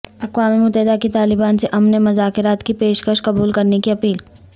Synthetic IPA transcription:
ɐqʋaːmimʊt̪ɛɦɪd̪akit̪aːlɪbaːnseʔɐmnemɐzaːkɪɾaːt̪kipeːʃkəʃkɐbuːlkɐɾnekiɐpiːl

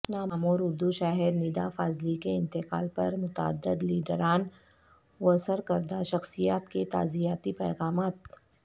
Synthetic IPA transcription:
naːmaːmoːɾʊɾd̪uʃaːɦɪɾniːd̪afaːzlikeɪ̃nt̪ɪqa̰ːlpɐɾmʊt̪aə̰d̪ɪd̪liːɖəɾaːn | oəsəɾkɐɾd̪aʃɐxsijaːt̪ket̪a̰ːzijaːt̪ipɛːɣaːmaːt̪

